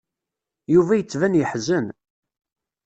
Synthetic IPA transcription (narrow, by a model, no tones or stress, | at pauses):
juvæjət͡sːvænjəħzən